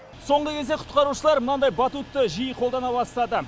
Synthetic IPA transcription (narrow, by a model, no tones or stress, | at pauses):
so̞ɴʁəkʲʰe̞zd̪eqʰʊ̥t̪̚qɑɾuʃəlˠɑɾmənɑd̪ɑjbɑt̪ut̪ːəʒijəqʰo̞lˠd̪ɑnɑβɑst̪ɑd̪ə